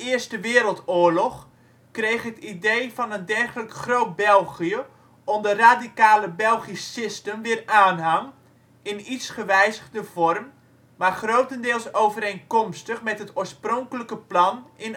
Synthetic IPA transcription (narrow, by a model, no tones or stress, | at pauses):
ɪərstəʋɪːəɾəlˠtʊːərlɔχ | krejxɦətidejvɑnəndɛrχələkχrowt̚bɛlˠɣijə | ɔndəraːdikaːləbɛlˠχisɪstənʋɪːraːnɦaŋ | ɪnitsχəʋɛjzəɣdəv̥ɔrm | marχrowtəndɪːlˠsowvəɾejnkɔmstəχmɛtɦətʰoːsprɔŋkələkəplɑnɪn